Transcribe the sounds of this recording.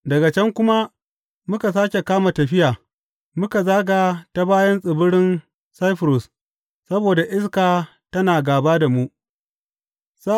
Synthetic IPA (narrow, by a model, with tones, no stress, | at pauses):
dɐ˨ɡa˨t͡ʃɛ˦ŋkʷʊ˦ma˦ | mʊ˦ka˨s̬aː˦kʲe˨kaː˦ma˨tɐ˨ɸɪ˦jaː˨ | mʊ˦ka˨zaː˦ɡa˨ta˦baː˦jɐ˦nsʼɪ˨bʊ˦ɽɪ˦n | sa˦jɸɾʊ˨s | sɐ˦boː˨da˨ʔɪ˦skaː˨ | tɐ˦naː˨ɡaː˨baː˦da˨mu˦ʔ | sa˦